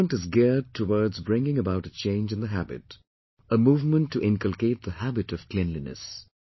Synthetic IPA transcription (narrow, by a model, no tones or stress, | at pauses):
ə̃ntɨzɡɛɹd̚tʰəwɔɹdzbɹɪ̃ŋɪ̃ŋəbaʊɾɨt͡ʃʰẽɪ̃nd͡ʒɨ̃nðəɦæbɨ̰t | əmuːvmə̃ntʰːɨʔɪ̃nkəl̩ˠkeɪt̪̚ðəhæbɨɾʌv̥kʰl̥ɛ̃nlinɨ̰s